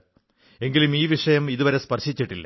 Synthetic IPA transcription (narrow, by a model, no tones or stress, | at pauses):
e̞ŋɡilumiːʋiʂɐjɐmiðuʋɐɾe̞spɐrɕit͡ɕːiʈːilːɐ̰